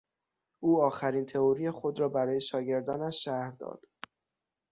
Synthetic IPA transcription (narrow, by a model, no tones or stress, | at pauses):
ʔuːɒːxæɾiːnt̪ʰe̞oɾijexo̞d̪ɾɒːbæɾɒːjeʃɒːɟe̞ɾd̪ɒːnæʃːæhɾd̪ɒ̰ːd̪̥